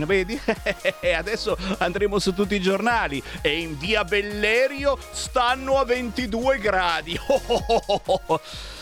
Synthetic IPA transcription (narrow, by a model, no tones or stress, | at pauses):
nveːd̪i | ad̪ɛsːoand̪ɾeːmosut̪ːut̪ːid͡ʒornaːlieinviːabelːɛːɾjo | st̪anːoavːent̪id̪uːeɡɾaːd̪io